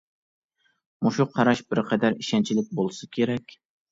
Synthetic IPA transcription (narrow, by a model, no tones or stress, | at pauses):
muʃuqʰɑɾɑʃbɪɾqʰɛd̪æɾiʃɛnt͡ʃʰilɪk̚ʲbolˠsɨkʲʰeɾɛkʲ